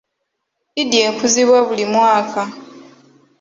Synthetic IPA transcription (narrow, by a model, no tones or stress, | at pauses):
idjeːkuziβwaβulimwaːkʰa